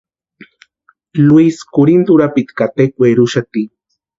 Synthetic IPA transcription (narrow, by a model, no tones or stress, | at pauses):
lwiskoɾint̪uɾapit̪kat̪ekweɾuʃat̪i